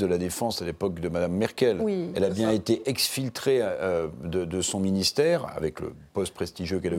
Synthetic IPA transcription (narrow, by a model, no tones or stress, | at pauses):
d̪əlad̪efɑ̃salepɔk̚d̪əmad̪amːɛʁkʲɛlɛlabjɛ̃et̪eʔɛksfilt̪χeød̪əd̪əsɔ̃minist̪ɛʁa̰vɛklə̰pɔst̪̚pχɛst̪iʒjøkɛl